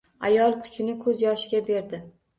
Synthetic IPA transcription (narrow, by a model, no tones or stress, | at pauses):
a̰jɒlˠkʰʊ̥t͡ʃʰɪnɪkʰɵzjɒʃɪɡʲabe̞ɾd̪ɪ